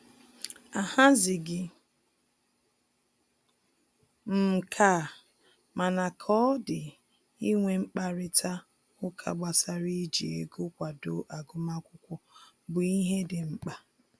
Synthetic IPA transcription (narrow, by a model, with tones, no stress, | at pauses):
a˨ha˦zɪ˨ɡɪ˨ | m̩˦˨kʰa˦˨ | ma˨na˨kʰɔ˦dɪ˨ | i˦ŋʷe˦ŋ͡m̩˦k͡pa˦ɾɪ˦tʰa˦ | ʊ˦kʰa̰˨ɡ͡ba˨sa˦ɾi˦d͡ʒi˨ḛ˨ɡʊ˦kʷa˨do˨ʔa˨ɡʊ˦ma˦kʷʊ˦kʷɔ˦ | bʊ˨i˦ɦe˦dɪ˨ŋ͡m̩˦k͡pa˦